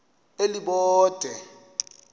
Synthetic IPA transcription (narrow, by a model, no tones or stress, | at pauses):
eliɓɔːd̥ʱɛ